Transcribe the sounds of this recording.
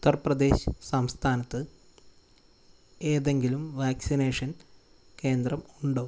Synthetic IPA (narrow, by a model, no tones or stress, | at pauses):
ut̪ːɐrprɐd̪e̞ːɕɨ̥sɐmst̪ʰaːnɐt̪ːɨ | e̞ːðe̞ŋɡilumʋaːksine̞ːʂɐn | ke̞ːnd̪rɐmuɳɖoː